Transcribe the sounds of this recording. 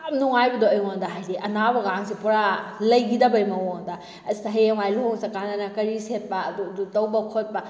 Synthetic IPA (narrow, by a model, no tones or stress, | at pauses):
ɐmnuŋajbɐdoɐjŋondɐɦajdiʔɐnabɐɡaŋsipɔɾalɐjɡidɐbɐjmɐwoŋdɐ | ɐsitɐɦejemajloŋsɐkanɐnɐkɐɾiset̚pɐːdudutɐwbɐkʰot̚pɐ